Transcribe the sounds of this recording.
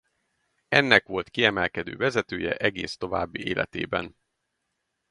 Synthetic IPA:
ɛnːɛkʋo̞lt̪kiɛmɛlkɛd̪ø̰ːvɛzɛt̪øːjɛ̰ʔɛɡeːst̪o̞va̰ːbːieːlʔɛ̰t̪ḛːbɛ̰n

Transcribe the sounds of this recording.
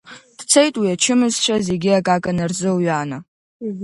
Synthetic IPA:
d̥t͡sʰejtʼwiat͡ʃʰɨmɨzʃʷʰaze̞ɡʲɪakʼakʼanarzɨwɥaːna

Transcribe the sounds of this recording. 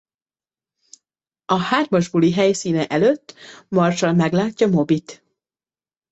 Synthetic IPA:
ɒhaːrmɒʒbuliɦɛjsiːnɛʔɛløt̪ːmɒrʃɒnmɛɡlaːcːɒmo̞bit̪

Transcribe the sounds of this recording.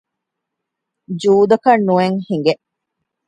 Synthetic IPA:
d͡ʒuːd̪ɐkɐnːueŋhiŋɡeʔ

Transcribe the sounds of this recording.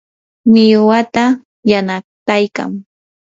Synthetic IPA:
mɪjwat̪a | janat̪ajka̰ŋ

